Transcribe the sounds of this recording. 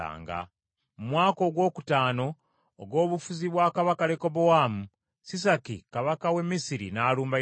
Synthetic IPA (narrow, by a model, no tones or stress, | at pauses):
a̰ːŋɡa̰ | mumwaːko̞ɡwo̞ːku̥taːno̞ː | ɡwo̞ːβufuziβwaːkaβakale̞ko̞bowaːmu | sis̬akikaβakawe̞mːisiɾḭnaːluːmba